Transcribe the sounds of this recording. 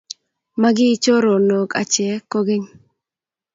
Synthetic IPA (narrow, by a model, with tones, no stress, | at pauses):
ma˦ɡɪː˦t͡ʃo˦ɾo˨no˨ka̰˨t͡ʃɪɛ˨ko˦ɡe˦ŋ